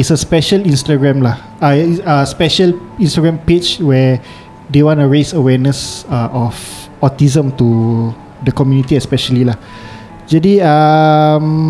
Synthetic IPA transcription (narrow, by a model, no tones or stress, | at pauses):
itsəspɛʃəlĩnstaɡɹɛ̃mlah | aiəspɛʃəlĩnstaɡɹɛ̃mpet͡ʃwɛ | dewɔ̃ntuɹesəwɛnəsaʔɔf | ɔt̪izə̃mt̪u | dəkɔmjunit̪iɛspɛʃəlilah | d͡ʒadiəm